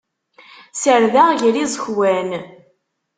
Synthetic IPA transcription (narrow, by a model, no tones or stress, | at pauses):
səɾðæʁʝəɾizˤəçwæn